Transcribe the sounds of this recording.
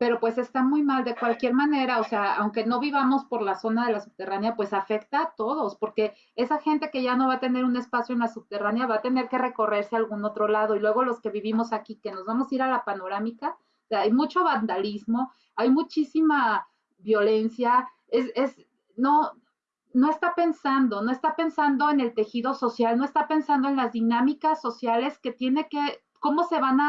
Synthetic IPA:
pe̞ɾo̞pwe̞se̞st̪amujmald̪e̞kwalkje̞ɾmãne̞ɾaose̞aawŋke̞no̞βiβamo̞spo̞ɾlaso̞nað̞e̞lasup̚t̪e̞ranjapwe̞safe̞kt̪aːt̪o̞ð̞o̞spo̞ɾke̞ | e̞saxe̞nt̪e̞ke̞ʝano̞βat̪e̞ne̞ɾune̞spasjoenlasup̚t̪e̞ranjaβat̪e̞ne̞ɾke̞re̞ko̞re̞ɾsealɣuno̞t̪ɾo̞lað̞o̞ilwe̞ɣ̞o̞lo̞ske̞βiβimo̞sakike̞no̞zβamo̞siɾalapano̞ɾamika | oseaajmut͡ʃo̞βand̪alizmo̞ | ajmut͡ʃisima | βjo̞le̞nsja | ese̞z | no̞ | no̞e̞st̪ape̞nsand̪o̞no̞e̞st̪ape̞nsand̪oe̞ne̞lt̪e̞xiðo̞so̞sjalno̞e̞st̪ape̞nsand̪oe̞nlazðinamikasːo̞sjale̞ske̞t̪je̞ne̞ke̞ | ko̞mo̞se̞βana

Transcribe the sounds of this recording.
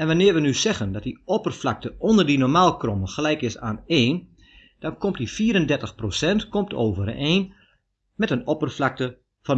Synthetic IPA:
ɛnʋanɪːɹʋənysɛɣəndɔt̚diɔpərflak̚təʔɔndərdinormaːlˠkromənxəlɛjkɪsa̰ːneːn | d̥ɔnkɔmtdifiːɾəndɛrtəxprosɛntkomtʰo̰ːvəɾ̰eːn | mɛtənɔpərflak̚tə | fɔn

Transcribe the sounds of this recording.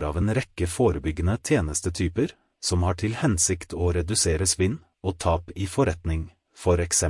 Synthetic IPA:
ɾɑːʋeːnɾɛkəfoːɾəbʏɡənət̪ʰjeːnəst̪ət̪ʰyːpəɾ | sɔmhɑːʈʰɪlhɛnsɪkt̪ʰoːɾɛd̪ʉseːɾəsʋɪn | oːt̪ʰɑːpiːfɔɾɛt̪nɪŋ | fɔɾɛksɛ

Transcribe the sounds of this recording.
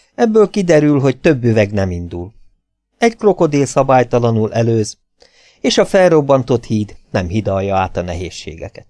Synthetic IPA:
ɛbːøːlkid̪ɛɾylɦo̞ct̪øbːyvɛɡnɛmind̪ul | ɛɟkro̞ko̞d̪eːlsɒbaːjt̪ɒlɒnulɛløːz | eːʃɒfɛlro̞bːɒnt̪o̞t̪hiːd̪nɛmɦid̪ɒljːɒaːt̪ɒnɛ̰ɦḛːʃːḛːɡɛ̰kɛt̪

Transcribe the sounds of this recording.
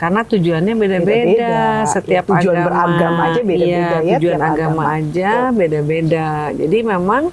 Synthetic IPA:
karnat̪ud͡ʒuanɲabedabedasət̪iap̚uad͡ʒuanbəɾaɡamad͡ʒabeiajaeat̪ud͡ʒuanaɡamaːd͡ʒabedabeda | d͡ʒa̰dimemaŋ

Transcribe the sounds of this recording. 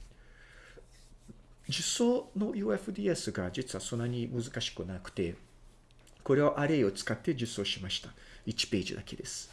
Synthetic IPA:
d͡ʑɨsoːno̞juːeɸɯ̟d̪ʲiːesɨɡad͡ʑit͡sɨβaso̞nːaɲ̟imɯ̟zɨkaɕi̥kɯ̟nakɯ̟̥t̪e̞ | ko̞ɾe̞βaʔaɾe̞io̞t͡sɨ̥kat̪ːe̞ʑɨso̞ːɕimaɕi̥t̪ait͡ɕi̥pe̞ːʑḭd̪a̰ke̞d̪e̞sɨ̥

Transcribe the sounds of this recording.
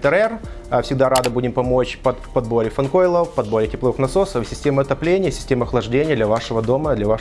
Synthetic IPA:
t̪əɾɛrfsʲɪɡ̚d̪aɾad̪ɨbudʲɪmpɐmo̞t͡ɕpɐt̪pɐd̪̚bo̞ɾʲɪfɐnko̞jlˠəpɐd̪̚bo̞ɾʲɪtʲɪplˠoɨxnɐso̞səfsʲɪsʲtʲeməɐt̪ɐplʲenʲɪjəsʲɪ̥sʲtʲeməɐxlˠɐʐdʲenʲɪjd̪lʲɐvaʂɨvəd̪o̞məd̪lʲɐva

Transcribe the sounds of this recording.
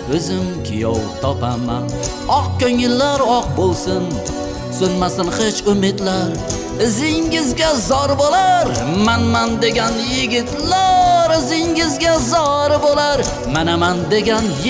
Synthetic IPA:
ɵzɪmkʲʰɪ̰jɒ̰wt̪ʰɒpaman | ɒq̚kʲɵŋɪlːaɾɒq̚bolˠsɪn | sʊnmasɪnχet͡ʃʊmɪd̪laɾ | ɪzɪŋɪzɡʲazɒɾbolaɾmanmand̪e̞ɡʲanjɪɡʲɪt̪laɾɪzɪŋɪzɡʲazɒɾbolaɾ | manamand̪e̞ɡʲan

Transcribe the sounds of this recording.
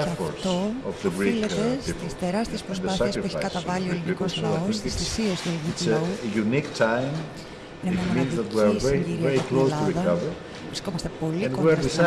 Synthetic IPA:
foɹt̪oɔvðɡɾiilet̪est̪ist̪eɾɐst̪iespɾospðɐθiɐsueçaikɐt̪ɐvɐlioelinkoslɐosist̪isiest̪uelinikuɐujuniktʰãjm | nɐimmĩnzðɐt̪wisɛiɾɛiklolɐiðɐɐvə | vɾisko̞mɐst̪e̞po̞lĩko

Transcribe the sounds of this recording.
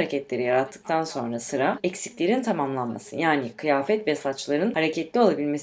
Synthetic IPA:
ɾecʰɛt̪lʲe̞ɾijaɾat̪ʰːɯ̥k̚t̪ʰanso̞̰nɾasɯɾaɛcsi̥clʲe̞ɾint̪ʰamamlˠanma̰sɯ̰jaːnikʰɯjaːfɛt̪vɛsat͡ʃlˠaɾɯnhaɾecʰɛt̪lʲio̞lˠabilʲme̞s

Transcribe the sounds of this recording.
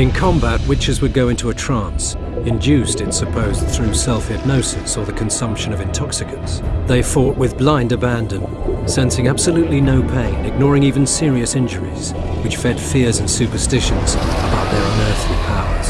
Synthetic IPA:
ɨ̃nkʰɑ̃mbæt̚wɪt͡ʃɨzwɨd̚ɡoʊɪ̃ntʰuɨtʰɹ̥æ̃ns | ɨ̃ndʉstɨ̃nsɨpʰoʊz̥θɹʉsɛlˠfɨd̚ⁿnoʊsɨsə˞ðɨkʰɨ̃n̩sʌ̃mpʃɨ̃nʌvɨ̃ntʰɑksɨkɨ̃ntsðeɪfɔt̚wɨðblãɪ̃ndɨbæ̃ndɨ̃n | sɛ̃nsɪ̃ŋæb̥sɨlʉtˡlinoʊpʰẽɪ̃nɨɡ̚nɔɹɪ̃ŋivɨ̃n̩sɪɹiɨsɪ̃nd͡ʒə˞ḭz̥ | wɨt͡ʃfɛd̥fɪɹzɨ̃nsʉpə˞stɪʃɨ̃nz̥əbaʊt̪̚ðə˞ʌ̃nɜ˞θlipʰaʊə̰˞z̥

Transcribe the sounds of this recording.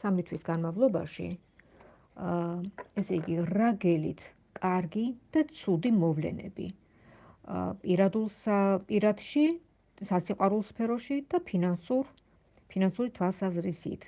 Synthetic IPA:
samit̪ʰwisɡanmavlˠɔba̰ʃḭ | ɛsɛiɡiɾaɡɛlḭt̪ʰ | kʼaɾɡid̪̥at̪sʰud̪imɔvlɛ̰nɛ̰bḭ | pʼiɾad̪ulˠsapʼiɾat̪ʃi | sasʰiqʼwaɾulˠspʰɛɾɔʃid̪̥apʰinasuɾ | pʰinansuɾit̪ʰwalˠsazɾisḭt̪ʰ

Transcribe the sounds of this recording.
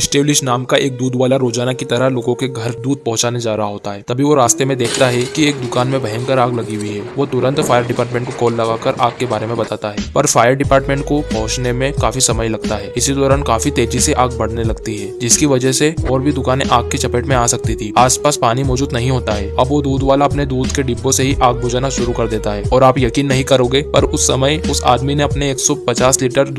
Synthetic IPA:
ɪsʈeːblɪʃnaːmkaʔeːk̚d̪uːd̪ʋaːlaɾoːd͡ʒaːnakit̪ɐɾəɦloːɡõkeɡʱɐɾd̪uːd̪̚pɐɦʊ̃t͡ʃaːned͡ʒaːɾaɦaɦoːt̪aɦɛːt̪ɐbʱiʋoɾaːst̪emẽd̪eːkʰt̪aɦɛkieːk̚d̪ʊkaːnmẽbɐɦɛ̃ŋkɐɾaːɡlɐɡiwiɦɛːʋot̪ʊɾə̃nt̪faːjəɾɖɪpaːɾʈmẽɳʈkokɔːlːɐɡaːkɐɾʔaːɡkːebaːɾemẽbɐt̪aːt̪aɦɛːpɐɾfaːjəɾɖɪpaːʈmẽːɳʈkopɐɦʊ̃t͡ʃnemẽkaːfisɐməjlɐɡ̚t̪aɦɛːɪsid̪ɔːɾaːnkaːfit̪eːd͡ʒiseʔaːɡ̚bɐɽ̤nelɐɡt̪iɦɛːd͡ʒɪskiʋɐd͡ʒəɦseɔːɾbʱid̪ʊkaːneʔaːɡ̚kːet͡ʃɐpeːʈmẽaːsɐk̚t̪it̪ʰiːaːspaːspaːnimɔːd͡ʒuːd̪nɐɦĩɦoːt̪aɦɛːɐbʋod̪uːd̪ʋaːlaɐpned̪uːd̪keɖibːõseɦiʔaːɡ̚bʊd͡ʒaːnaʃʊɾukɐɾd̪eːt̪aɦɛːɔːɾaːpjɐkiːnːɐɦĩkɐɾoːɡeːpɐɾʊsːɐməjʊsa̰ːd̪mineɐpneeːksɔpɐt͡ʃaːsliːʈəɾ

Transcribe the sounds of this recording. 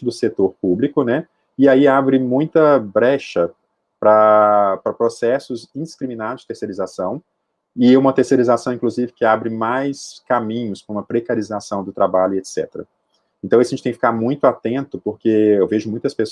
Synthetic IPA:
d̪ʊset̪oɾpublikʊnɛ | ɪaiabɾɪmũj̃t̪ɐbɾɛʃɐ | pɾɐpɾɐpɾosɛsʊzĩd̪iskɾimĩnad̪ʊzd͡ʒɪt̪eɾseɾizasɐ̃w̃ | ɪũmɐt̪eɾseɾizasɐ̃w̃ĩŋkluzivɪkɪabɾɪmajskamĩɲʊskõũmɐpɾekaɾizasɐ̃w̃d̪ʊt̪ɾabaʎʊiet̪sɛ̰t̪eɾɐ̰ | ẽnt̪ɐ̃w̃isɐʒẽt͡ʃt̪ẽkfikaɾmũj̃t̪ʊat̪ẽnt̪ʊpoɾkeewveʒʊmũj̃t̪ɐspes

